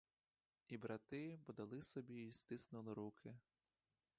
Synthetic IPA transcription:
ibɾɐt̪ɪbɔd̪ɐlˠɪsɔbʲiːst̪ɪsnʊlˠɪɾukʰɪ

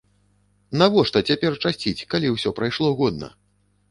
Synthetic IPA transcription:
navɔʂt̪ɐt͡sʲapʲɛrt͡ʂasʲt͡sʲit͡sʲkalʲiwsʲɔpɾajʂlˠɔɣɔd̪nɐ̰

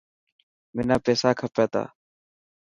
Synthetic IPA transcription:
mɪnaːpeːsaːkʰəpeːt̪a̰ː

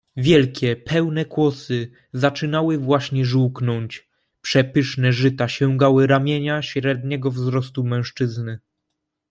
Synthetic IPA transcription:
vʲjɛlkʲʰɛpʰɛwnɛkwɔsɘ | zat͡ʂɘnawɘvwaɕɲɛʐuwknɔɲt͡ɕ | pʂɛpɘʂnɛʐɘt̪aɕɛŋɡawɘɾamʲjeɲaɕɾɛd̪̚ɲɛɡɔvzɾɔs̬t̪umɛ̃w̃ʂt͡ʂɘznɘ

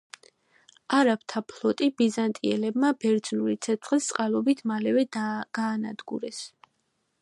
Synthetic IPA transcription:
aɾapt̪ʰapʰlˠɔt̪ʼibizant̪ʼiɛ̰lɛbmabɛɾd̪z̥nuɾit̪sʰɛt̪ʰχlist̪sʼqʼalˠɔbit̪ʰmalɛvɛɡ̥aːnad̪ɡṵɾɛs

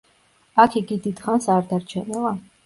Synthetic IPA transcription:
akʰiɡid̪id̪χansaɾd̪aɾt͡ʃʰɛnɛlˠa

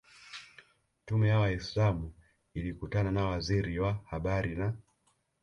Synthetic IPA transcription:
tumɛjawaislamu | ilikutananawaziɾiwahaɓaɾina

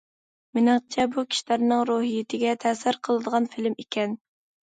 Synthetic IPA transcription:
mɪnɨŋt͡ʃʰɛbukʲʰi̥ʃilæɾnɨŋɾoɦijɪt̪ʰɪɡʲɛt̪ʰɛsɪɾqʰəlˠɨd̪əʁɑnfɪlɪmikʲʰɛn

